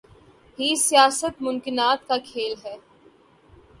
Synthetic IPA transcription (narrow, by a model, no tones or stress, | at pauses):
ɦisijaːsət̪mʊ̃mkɪnaːt̪kakʰeːlɦɛː